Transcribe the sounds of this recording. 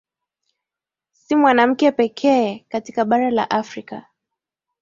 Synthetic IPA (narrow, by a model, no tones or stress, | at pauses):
simwanam̩kɛpɛkʰɛkatikaɓaɾala̰ʔafɾika